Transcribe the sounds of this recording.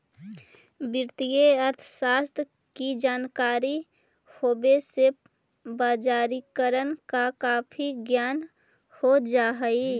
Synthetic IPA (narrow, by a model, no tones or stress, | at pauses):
bɪɾt̪ijeəɾt̪ʰəsaːst̪ʰ | kid͡ʒaːnkaːɾi | hoːbese | baːd͡ʒaːɾikəɾənkakaːpʰiɡjaːn | hod͡ʒaːɦəi